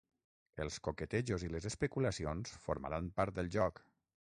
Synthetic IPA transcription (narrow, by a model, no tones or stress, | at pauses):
əlˠskokət̪eʒoziləzəspəkuləsionsfo̰ɾma̰ɾampaɾt̪̚d̪əlˠʒɔk